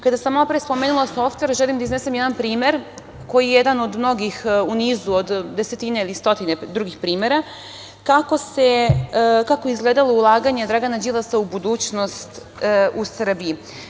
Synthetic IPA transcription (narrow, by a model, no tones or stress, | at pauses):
kad̪asamːalapɾeespo̞meːnulˠaso̞ft̪ʋe̞ɾʒelimd̪aiznese̞mjed̪anpɾiːme̞ɾ | ko̞jijejed̪ano̞d̪mno̞ɡixuniːzuod̪d̪e̞se̞t̪ine̞ilist̪o̞t̪ined̪ɾuɡixpɾiːme̞ɾa | kako̞se̞ | kakojeizɡleːd̪alo̞ulˠaːɡaɲe̞d̪ɾaɡanad͡ʑilˠasaubud̪uːt͡ɕno̞st̪ | ʔusr̩bii